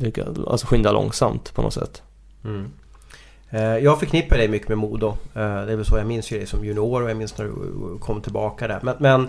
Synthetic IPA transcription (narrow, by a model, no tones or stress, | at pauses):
ʏkːa̰a̰lsɔɧʏnd̪alɔ̰ŋsa̰mt̪pʰɔnɔ̰t̪sɛ̰t̪ː | jɑːɡfœɾkʰnɪpːaɖɛjmʏkːəmɛmuːd̪ʊd̪ɛvɛlsɔjaɡmɪnsjɵɡɾɛjsɔmjɵnɪoːɾɔjamɪnsnæɖɵ̰kʰɔmːt̪ʰɪlbɑːkad̪æ̰ɾmɛnmɛn